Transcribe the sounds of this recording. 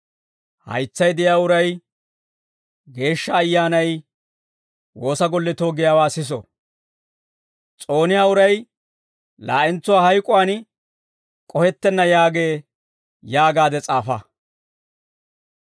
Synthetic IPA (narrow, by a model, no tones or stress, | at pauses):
hɐ̰jt͡sːɐjd̪ɪjaːʊɾɐj | ɡe̞ːʃːɐːjːaːnɐj | wo̞ːsɐɡɔlːɛt̪o̞ːɡɪjaːwaːsɪs̬ɔ̰ | t͡sʼo̞ːnɪjaːʊɾɐj | la̰ːʔɪnt͡sːʊwaːhɐjkʼʊwaːn | kʼɔhɛt̪ːɛnːɐjaːɡe̞ː | jaːɡaːd̪ɛt͡sʼaːfɐ